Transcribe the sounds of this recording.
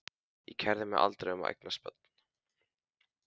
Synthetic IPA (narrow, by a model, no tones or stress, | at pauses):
ḭcʰɛɾðɪmɛʔa̰lt̪ɾeʏma̰ʔɛ̰k̚naspœ̰t̪̚n̥